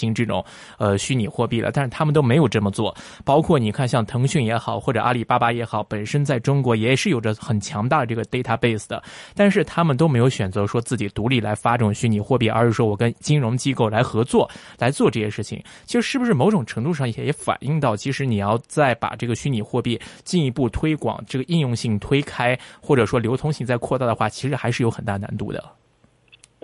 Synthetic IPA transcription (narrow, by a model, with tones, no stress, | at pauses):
i˧˥ŋʈ͡ʂɤ˥˩ʈ͡ʂʊ̰˨˩˦ŋ | ə˧ɕy˥ni˨˩xwɔ˥˧pi˥˩lə̰˩t̪a˥˧nʂɻ̩˥˩t̪ʰa˥mə˨nt̪o˥ʊme˧˥ɪjo˨˩ʊʈ͡ʂɤ˥˩mə˩t͡swɔ˥˩ | pɑ˥ʊkʰwɔ˥˩ni˨˩kʰa˥˧nɕjɑ˥˩ŋt̪ʰɤ˧˥ŋɕy˥˩njɛ˧˥xɑ˨˩ʊxwɔ˥˩ʈ͡ʂɤ˨˩ʔa˥li˥˩pa˥pa˥jɛ˧˥xɑ˨˩˦ʊpə˨˩nʂə˥nt͡sa˥˩ɪʈ͡ʂʊ˥ŋkwɔ˧˥jɛ˨˧˥ɛ˩ʂɻ̩˥˩jo˨˩ʊʈ͡ʂə˦˥xə˨˩nt͡ɕʰjɑ˧˥ŋt̪a˥˩d̪ə˩ʈ͡ʂɤ˥˩ɡə˩t̪e˥˧ɪt̪ʰa˥˧pe˥˩ɪsɹ̩˩d̪ə̰˩t̪a˥˧ʂɻ̩˥˩t̪ʰa˥mə˨nt̪o˥ʊme˧˥ɪjo˧ʊɕɥɛ˨˩nt͡sɤ˧˥ʂwɔ˥t͡sɹ̩˥˩t͡ɕi˨˩t̪u˧˥li˥˩la˧˥ɪfa˥ʈ͡ʂɤ˥˩ʈ͡ʂʊ˨˩ŋɕy˥ni˨˩xwɔ˥˧pi˥˩ʔə̰˞˧˥ʂɻ̩˨˧˩ʂwɔ˥wɔ˨˩kə˥nt͡ɕi˥nɻʊ˧˥ŋt͡ɕi˥ko˥˩ʊla˧˥ɪxɤ˧˥t͡swɔ˥˩la˧˥ɪt͡swɔ˥˧ʈ͡ʂɤ˥˧˩ɕjɛ˥˧ʂɻ̩˥˩t͡ɕʰḭ˩ŋ | t͡ɕʰi˧˥ʂɻ̩˧˥ʂɻ̩˥bu˩ʂɻ̩˥˩mo˧˥ʊʈ͡ʂʊ˨˩ŋʈ͡ʂʰɤ˧˥ŋt̪u˥˧ʂɑ˥˩ŋi˥˩ɕjɛ˧˥jɛ˧˥fa̰˨˩ni˥˧ŋt̪ɑ˥˩ʊt͡ɕʰi˧˥ʂɻ̩˧˥ni˨˩jɑ˥˧ʊt͡sa˥˩ɪpa̰˨˩ʈ͡ʂɤ˥˩ɡə˩ɕy˥ni˨˩xwɔ˥˧pi˥˩t͡ɕi˥˧ni˧˥pu˥˩t̪ʰwe˥ɪkwɑ̰˨˩ŋʈ͡ʂɤ˥˩ɡə˩i˥˧njʊ˥˧ŋɕi˥˩ŋt̪ʰwe˥ɪkʰa˥ɪxwɔ˥˩ʈ͡ʂɤ˨˩ʂwɔ˥ljo˧˥ʊt̪ʰʊ˥ŋɕi˥˧ŋt͡sa˥˧ɪkʰwɔ˥˧t̪a˥˩d̪ə˩xwa˥˩t͡ɕʰi˧˥ʂɻ̩˧˥xa˧˥ɪʂɻ̩˥˩jo˧˥ʊxə˨˩nt̪a˥˩na̰˧˥nt̪u˥˩d̪ə̰˩